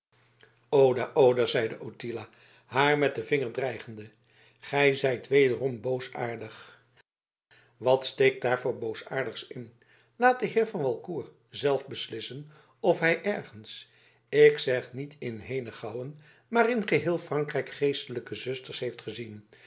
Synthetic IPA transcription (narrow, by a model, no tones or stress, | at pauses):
owdaːʔowdəzɛjdəʔotilaː | ɦaːɹmɛt̚dəvɪŋəɹdrɛjχəndə | χɛjzɛjtʋejdərɔmbowsaːɹdəχ | ʋɑtstejk̚d̥aːɹvʊːɹbowsaːɹdəχsɪn | laːt̚dəɦɪːɹvɑnʋɑlˠkuːɹ | zɛlˠfbəslɪsən | ɔfɦɛjʔɛɹχəns | ɪksɛχnitɪnɦejnəχɑwən | maːrɪnχəɦɪːlˠfrɑŋkrɛjkχejstələkəzɵstəɹsɦejftχəzin